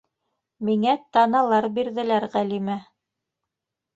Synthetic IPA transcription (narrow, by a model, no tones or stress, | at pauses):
miŋæt̪ɑnɑlˠɑɾbiɾðɘ̆læɾʁælimæ